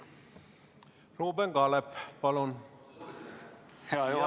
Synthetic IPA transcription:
roːbɛŋɡɑlɛppɑlon

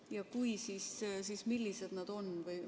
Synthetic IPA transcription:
jɑkujsiːssiːsmilːise̞d̪nɑd̪̥o̞nvɤj

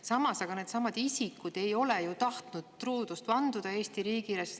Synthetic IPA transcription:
sɑmɑsɑɡ̥ɑneːd̪sɑmɑd̪̥isikːud̪̥e̞jo̞lɛjut̪ɑht̪nud̪̥̚t̪ruːd̪̥ust̪pɑnd̪ud̪̥ɑe̞ːst̪iɾiːɡiɾes

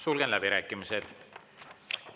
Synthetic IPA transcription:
sulɡ̥enlæb̥iɾæːkːˑimised̪̥

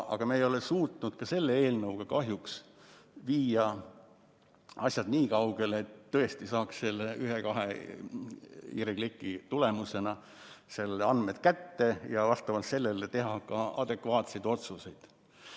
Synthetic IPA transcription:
ʔɑ̰ɡ̥ɑmeːjo̞lesuːt̪nud̪̥kɑse̞lːeeːlnɤwɡ̥ɑkɑɦjuks | viːjɑ | ɑsʲjɑd̪niːkɑwɡ̥e̞let̪ːɤ̞est̪isɑːksse̞lːeyɦekɑɦḛ | ḭɾeɡlikːˑit̪ule̞muse̞nɑ | selːɑnd̪met̪kæt̪ːe̞jɑvɑst̪ɑvɑlt̪se̞lːelet̪e̞ɦɑkɑɑd̪̥e̞kvɑːt̪se̞jd̪o̞t̪suse̞jd̪̥

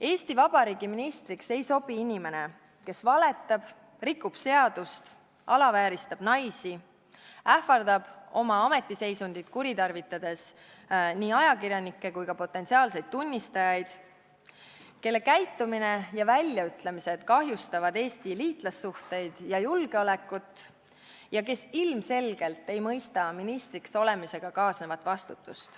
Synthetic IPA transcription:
e̞ːst̪ivɑb̥ɑɾiːɡiminist̪ɾikse̞jso̞b̥iinʲime̞ne̞ | ke̞svɑle̞t̪ːˑɑb̥ | rikːˑub̥se̞ɑd̪ust̪ | ɑlɑvæːɾist̪ɑb̥nɑjsi | æhfɑrd̪̥ɑb̥o̞mɑɑme̞t̪ːˑise̞jsund̪̥id̪̥kuɾit̪ɑrvit̪ːˑɑd̪̥e̞s | niːɑjɑkirjɑnikːe̞kujkɑpo̞t̪ˑːe̞nsiɑːlse̞jd̪̚t̪ːunʲːist̪ɑjɑjd̪̥ | ke̞lːe̞kæjt̪ːˑumine̞jɑvælʲːjɑyt̪ˑlemise̞d̪̥kɑɦjust̪ɑvɑd̪e̞ːst̪iliːt̪ˑlɑsːuht̪e̞jd̪̥jɑjulɡ̥eo̞le̞kːˑut̪ˑ | jɑke̞silmse̞lɡ̥e̞lt̪ːe̞jmɤjst̪ɑminist̪ɾikso̞le̞mise̞ɡ̥ɑkɑːsnevɑt̪ːˑvɑst̪ut̪ːˑust̪

